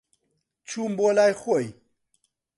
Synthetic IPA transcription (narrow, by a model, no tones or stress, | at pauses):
t͡ɕʰumbolajxoj